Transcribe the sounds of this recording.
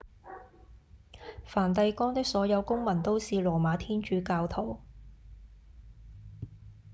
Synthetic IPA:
faː˨˩nt̪ɐ˧jkɔː˥ŋt̪ɪ˥k̚sɔː˨˥jɐ˨˧wkʊ˥ŋmɐ˨˩nt̪o˥wsiː˨lɔː˨˩maː˨˧t̪ʰiː˥nt͡ʃyː˨˥kaː˧wt̪ʰo˨˩w

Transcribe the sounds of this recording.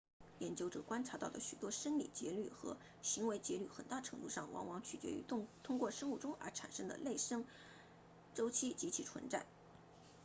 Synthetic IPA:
jɛ˧˥nt͡ɕjo˥ʊʈ͡ʂɤ˨˩kwa˥nʈ͡ʂʰa˧˥t̪ɑ˥˩ʊd̪ə˩ɕy˨˩t̪wɔ˥ʂə˥nlḭ˨˩t͡ɕjɛ˧˥ly˥˩xɤ̰˧˥ | ɕi˧˥ŋwe˧˥ɪt͡ɕjɛ˧˥ly˥˩xə̰˨˩nt̪a˥˩ʈ͡ʂʰɤ˧˥ŋt̪u˥˧ʂɑ˥˩ŋwɑ̰˧˥ŋwɑ˧˥ŋt͡ɕʰy˨˩t͡ɕɥɛ̰˧˥y̰˧˥t̪ʰʊ˥ŋkwɔ˥˩ʂɤ˥ŋu˥˩ʈ͡ʂʊ˥ŋʔə̰˞˧˥ʈ͡ʂʰa̰˨˩nʂɤ˥ŋd̪ə̰˨le˥˩ɪʂə˥ŋ | ʈ͡ʂo˥ʊt͡ɕʰi˥t͡ɕi˧˥t͡ɕʰi˧˥ʈ͡ʂʰwə̰˧˥nʈ͡ʂa̰˥˩n

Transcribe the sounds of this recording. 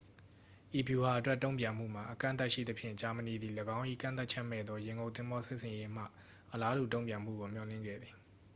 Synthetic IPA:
ʔi˨pju˨ha˨ʔətwɛ˦tːõ˦ʊ̃mpjã˨m̥ṵ˦˨m̥a˨ʔəkã̰˦˨nt̪a˦ʔʃḭ˦˨d̪əpʰjɪ̰̃˦˨t͡ɕa˨məni˨d̪ði˨ləɡã˦ʊ̃ʔḭ˦˨kã˦˨nt̪a˦ʔt͡ɕʰɛ˦mɛ̰˦˨d̪ðɔ˦jɪ̃˨ŋɡõ˨ʊ̃t̪ɪ̃˦mbɔ˦sɪ˦ʔsʰɪ̃˨je˦m̥ä̰˦˨ | ʔəla˦du˨t̬õ˦˨ʊ̃mpjã˨m̥ṵ˦˨ɡo˨m̥jɔ˨lɪ̰̃˦˨ŋɡɛ̰˦˨d̪ði˨

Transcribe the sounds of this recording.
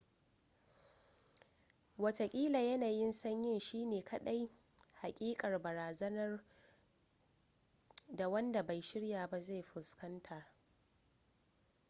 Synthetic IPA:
wɐ˨ta˨kʲʼiː˦la˨jɐ˦naː˨jɪ˦nsɐ˦ɲjɪ˦˨nʃiː˦neː˨kʰɐ˨ɗa˦j | ha˨kʲʼiː˦kʼɐ˨rbɐ˨ɾaː˨zɐ˦nɐ˦r | da˨wɐ˦nda˨ba˨jʃɪ˦ɽjaː˨ba˦za˦˨jɸʊ˨skɐ˦ntʰɐ˨r

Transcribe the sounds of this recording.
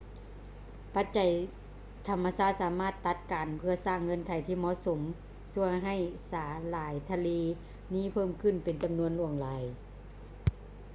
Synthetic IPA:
pa˧˥t̪̚t͡ɕa˨˩j | t̪ʰa˧˩mːa˧saː˧˥˩t̪̚saː˨˩˦maː˧˥˩t̪ːa˧˩t̪̚kaː˨npʰɯ˧ɐsaː˧˥˩ŋːɤ˧˥˨nkʰa˨˩jt̪ʰiː˧˥˩mɔː˧˥˨so˨˦m | su˧˥əŋɦa˧˩jsaː˨˩˦laː˨˦jt̪ʰa˧liː˧˥ | niː˧˥˨pʰɤː˥˩˨mkʰɯ˧˥˩npe˨nt͡ɕa˨mnu˧ənlu˧˩əŋlaː˨˦j

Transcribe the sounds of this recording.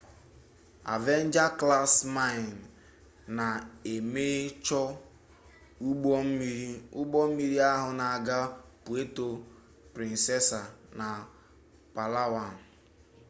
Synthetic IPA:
a̰˨ve˦n̩˦d͡ʒa˦kla˦sma˦˨n | na˨e˨me˦t͡ʃɔ˦ | u˦ɡ͡bo˦m̩˦mi˦ɾi˦ʊ˦ɡ͡bɔ˦m̩˦mi˦ɾi˦a˦ɦʊ˨na˨a˨ɡa˦pu˨e˦to˨ | pɾi˨n̩˨se˦sa˨na˨ | pa˨la˦wa˨n̩˨

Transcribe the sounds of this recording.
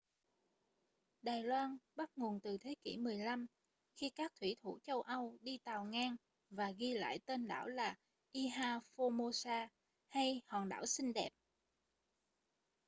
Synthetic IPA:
ɗaː˨˩jlwaː˧nɓa˦˥t̚ŋu˨˩nt̪ɨ˨˩t̪ʰe˨˦kḭ˧˩mɨ˨˩əjla˧m | xi˧kaː˦˥k̚t̪ʰwḭ˧˩t̪ʰṵ˧˩t͡ɕə˧wʔə˧wɗi˧t̪aː˨˩wŋaː˧ŋ | vaː˨˩ɣi˧la̰ː˧˨jt̪e˧nɗa̰ː˧˩wlaː˨˩ | ʔi˧ɦaː˧fo˧mo˧saː˧ | ha˧jhɔ˨˩nɗa̰ː˧˩wsï˧ŋ̟ɗɛ˨˩p̚

